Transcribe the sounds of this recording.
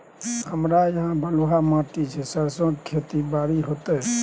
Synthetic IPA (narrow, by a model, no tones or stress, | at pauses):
həmɾajəɦãbʱəluɦamaʈit͡ʃʰɛsəɾsə̃kkʰet̪ibaɾiɦot̪ɛ